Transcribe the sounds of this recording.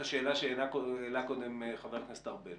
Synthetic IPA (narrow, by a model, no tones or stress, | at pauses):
aʃeːlaʃeenakoelakod̪emχaveʁknast̪aʁbe